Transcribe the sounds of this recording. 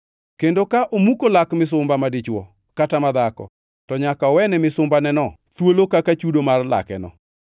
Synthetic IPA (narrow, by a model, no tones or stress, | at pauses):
kendokaʔomukolakmɪs̬ʊmbamadɪt͡ʃwɔ | katamad̪akɔ̰ | tɔɲakaɔwɛnɛmɪsʊmbanɛnɔ | t̪wolokakat͡ʃudomarla̰kɛ̰nɔ̰